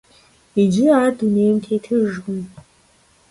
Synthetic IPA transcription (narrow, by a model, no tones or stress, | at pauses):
id͡ʒɪaːrdunejmtʰejtʰɨʒɡʊm